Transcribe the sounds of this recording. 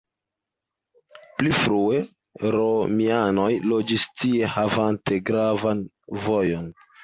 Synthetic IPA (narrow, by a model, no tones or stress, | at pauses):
plifɾue̞ | ɾo̞miano̞jlo̞d͡ʒistie̞havante̞ɡɾavan | vo̞jo̞n